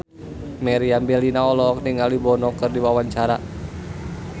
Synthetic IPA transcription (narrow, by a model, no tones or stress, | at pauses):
mɛɾiambɛlinaɔlɔːk̚niŋalibɔnɔkɨrdiwawaɲt͡ʃaɾa